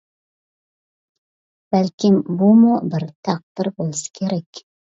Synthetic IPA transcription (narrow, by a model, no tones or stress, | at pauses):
b̥ælkʲɪmbumʊbɪɾt̪ʰɑq̚d̪ɪɾbolˠsḁkʲʰeɾækʲ